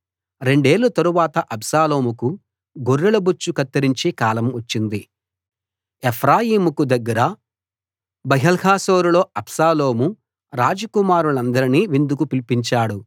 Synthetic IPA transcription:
ɾe̞ɳɖe̞ːlːut̪ɐɾuʋaːt̪ɐʔɐbsaːlo̞ːmuku | ɡoɾːɐlɐbut͡ʃːukɐt̪ːɐɾiɲt͡ʃeːkaːlɐmɐt͡ʃːind̪i | epʰɾaːjiːmukud̪ɐɡːɐɾɐ | bɐɦɐlhaːso̞ːɾulo̞ːɐbsaːlo̞ːmu | ɾaːd͡ʒɐkumaːɾuɭɐnd̪ɐɾiniːʋind̪ukupilipiɲt͡ʃaːɽu

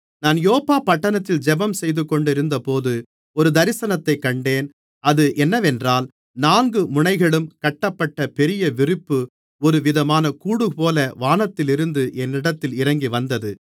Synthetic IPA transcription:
naːnjoːpːaːpɐʈːɐnɐt̪ːɪld͡ʒɛbɐmsɛjðɯkːɔɳɖɪɾɯnd̪ɐpoːðɯ | ɔɾɯd̪ɐɾɪsɐnɐt̪ːɐɪkːɐɳɖeːn | ɐðɯʔɛnːɐʋɛndraːl | naːŋɡɯmʊɳɐɪɣɐɭɯmkɐʈːɐpːɐʈːɐpɛɾɪjɐʋɪrɪpːɯ | ɔɾɯʋɪðɐmaːnɐkuːɽɯpoːlɐʋaːnɐt̪ːɪlɪɾɯnd̪ɯʔɛnːɪɽɐt̪ːɪlɪɾɐŋɡiʋɐnd̪ɐðɯ

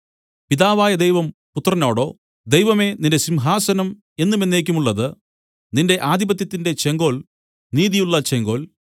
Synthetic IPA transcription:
piðaːʋaːjɐd̪ejʋɐmput̪ːrɐno̞ːɽo̞̰ː | d̪e̞jʋɐme̞ninde̞simɦaːsɐnɐm | e̞nːume̞nːe̞ːk̬ʲːumuɭːɐðɨ | ninde̞ʔaːd̪ʱibɐt̪̬jɐt̪ːinde̞t͡ɕeŋɡo̞ːl | niːðijuɭːɐt͡ɕeŋɡo̞ːl

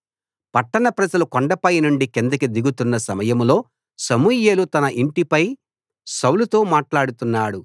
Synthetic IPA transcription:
pɐʈːɐɳɐpɾɐd͡ʒɐlukoɳɖɐpɐjnuɳɖikend̪ɐkid̪iɡut̪unːɐsɐmɐjɐmlo̞ː | sɐmuːje̞ːlut̪ɐnɐʔiɳʈipɐj | sɐwlut̪o̞ːmaːʈlaːɽut̪unːaːɽu

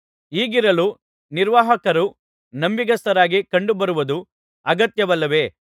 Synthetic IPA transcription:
iːɡiɾɐlu | niɾʋaːɦɐkɐɾu | nɐmbiɡɐst̪ɐɾaːɡikɐɳɖubɐɾuʋud̪u | ɐɡɐt̪jɐʋɐlːɐʋe̞ː

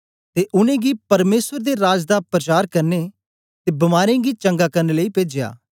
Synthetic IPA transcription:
t̪eːʔʊnẽɡipɐɾmeːsəɾd̪eɾaːd͡ʒd̪apɾɐt͡ʃaːɾkɐɾne | t̪eːbɐmaːɾãɡit͡ʃɐ̃ŋɡakɐɾneləiːpeːd͡ʒeja̰ː

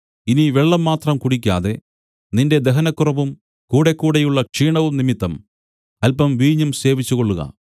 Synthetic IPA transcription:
iniʋeɭːɐmːaːt̪rɐmkuɽikʲːa̰ːðe̞ | ninde̞d̪eɦɐnɐkːurɐʋum | kuːɽe̞kːuːɽejuɭːɐkʂiːɳɐʋumnimit̪ːɐm | ɐlpɐmʋiːɲːumse̞ːʋit͡ɕːuɣo̞ɭːuɣɐ̰

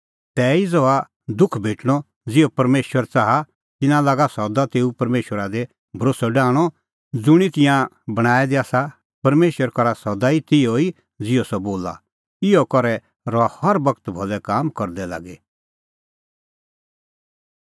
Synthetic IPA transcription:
t̪ɛːid͡zɔa | d̪ʊkʰbʱeːʈɽ̃ɔ | d͡zɪɔpɐɾmeːʃwəɾt͡saːɦa | t̪ɪnãlaːɡasɔd̪at̪eːupɐɾmeːʃwəɾad̪e | bʱɐɾoːsɔɖaːɽ̃ɔ | d͡zʊɽ̃it̪ɪ̃jã | bɐɽ̃aːɛd̪iaːsa | pɐɾmeːʃwəɾkɔɾasɔd̪ait̪ɪjɔi | d͡zɪɔsɔboːla̰ | ɪɔkɔɾɛ | ɾɔahɐɾbɐkt̪bʱɔlɛkaːmkɔɾd̪ɛla̰ːɡɛ

